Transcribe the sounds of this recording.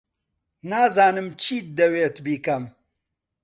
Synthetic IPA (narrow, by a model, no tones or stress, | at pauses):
naːzaːnɨmt͡ʃiːt̪̚d̪ɐweːt̪biːkɐm